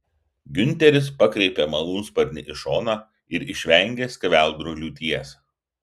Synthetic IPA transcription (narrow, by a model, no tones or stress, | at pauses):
ɡʲʊnʲˑt̪ʲɛɾʲɪspɐkɾʲɛɪpʲeːmɐlˠuːnspɐɾʲnʲɪʔɪʃoːnɑː | ɪɾɪʃʲʋʲɛˑŋʲɡʲeːsʲkʲɐʋʲæˑlˠd̪ɾʊlʲuːt̪ʲiɛs